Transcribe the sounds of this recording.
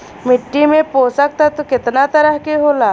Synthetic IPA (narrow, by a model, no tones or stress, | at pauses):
mɪʈːimẽpoːsək̚t̪at̪okɪt̪nat̪əɾəɦkeɦoːlaː